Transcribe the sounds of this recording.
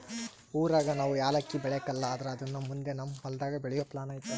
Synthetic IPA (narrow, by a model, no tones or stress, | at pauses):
uːɾaːɡɐnaːʋujaːlɐkːibɛɭekɐlːɐːd̪ɐɾeɐd̪ɐnːɐmund̪e̞nɐmːɐɦɔld̪aːɡɐbɛɭɛjoːplaːnaːjit̪ːɐ